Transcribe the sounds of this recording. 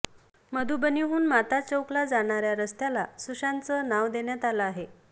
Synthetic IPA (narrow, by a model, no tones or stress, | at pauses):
məd̪ʱubəniɦuːnmat̪at͡səwklad͡zaɽ̃aɾjaɾəst̪jalasuɕãnt͡sənaʋd̪eɳjat̪alaaɦe